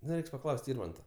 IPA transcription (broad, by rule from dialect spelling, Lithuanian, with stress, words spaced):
nʊ ˈrʲɛɪks pɐˈklˠɐʊsʲtʲ ˈɪrmɐntɐ